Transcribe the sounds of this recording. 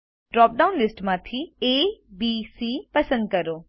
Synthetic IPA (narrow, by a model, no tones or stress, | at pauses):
ɖɾɔːp̚ɖaːʊnlɪsʈmãːt̪ʰieːbiːsiːpɐsə̃nd̪̚kɐɾoː